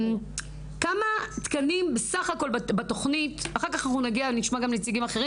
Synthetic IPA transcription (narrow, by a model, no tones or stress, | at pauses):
kamat̪kanimbesaχako̞lbbato̞χnitaχaʁkaχanaχnunaɡiaveniʃmaɡamlet͡siɡimaχeʁi